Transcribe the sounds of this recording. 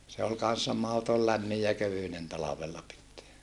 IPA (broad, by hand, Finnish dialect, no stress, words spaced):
se ol kɑn̞sːɑ mɑhotol læmːij jɑ køʋynen tɑlɑʋelːɑ pitːeæ